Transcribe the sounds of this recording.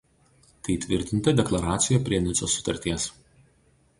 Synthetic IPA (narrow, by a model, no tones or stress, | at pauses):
t̪ɐɪt̪ʲʋʲɪɾʲt̪ʲɪnt̪ɐd̪ʲɛklˠɐɾɑːt̪sʲɪjɛpʲɾʲiɛnʲɪt̪soːsʊ̥t̪ɐɾʲt̪ʲiɛs